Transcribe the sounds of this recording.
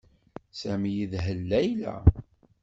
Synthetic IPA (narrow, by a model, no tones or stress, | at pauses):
sæmijiðɦəlːæjlæ̰